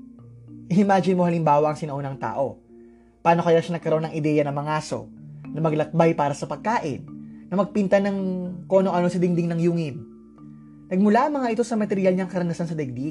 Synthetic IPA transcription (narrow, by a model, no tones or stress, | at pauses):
ʔɪɪmaːd͡ʒɪnmo̞hɐlɪmbaːwɐʔɐŋsɪnɐʔo̞nɐŋt̪a̰ːʔo̞ | paːno̞kɐjaʃɐnɐɡkːɐɾoʔo̞nɐŋʔɪd̪ɛjɐnɐmɐŋaːso̞̰nɐmɐɡlɐk̚bajpaːɾɐsɐpɐɡ̚kaːʔɪ̰nːɐmɐɡ̚pint̪ɐnɐŋko̞ːnoʔɐno̞sɐd̪ɪŋd̪ɪŋnɐŋjuːŋɪm | nɐɡ̚mʊlaʔɐŋmɐŋaʔɪt̪o̞sɐmɐt̪ɛɾɪjalɲaŋkɐɾɐnɐsansɐd̪ɛɡ̚d̪i